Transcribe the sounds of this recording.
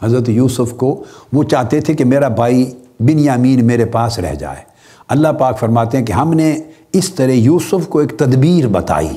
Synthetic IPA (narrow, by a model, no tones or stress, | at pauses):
ɦɐzɾət̪juːsʊfkoʋot͡ʃaːɦt̪et̪ʰekemeːɾabʱaːi | bɪnjaːmiːnmeːɾepaːsɾɛ̰ɦd͡ʒa̰ːḛː | ɐlːaɦpaːkfɐɾmaːt̪eɦɛ̃keɦɐmne | ɪst̪ɐɾɛjuːsʊfkoeːk̚t̪ɐd̪biːɾbɐt̪a̰ːḭː